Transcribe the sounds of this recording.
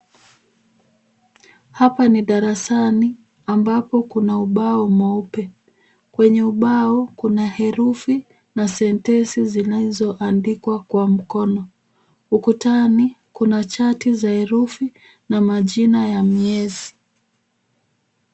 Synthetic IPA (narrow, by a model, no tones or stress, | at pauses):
hapaniɗaɾasani | ambapɔkunauɓaɔmaupɛ | kwɛɲɛuɓaɔkunahɛɾufi | nasɛntɛnsizinazɔʔandikwakwam̩kɔnɔ | ukutanikunat͡ʃatizahɛɾufi | namaʄinajamiɛzi